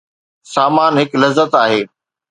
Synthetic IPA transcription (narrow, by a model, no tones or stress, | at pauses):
saːmaːnɦɪklɐzːət̪aːɦeː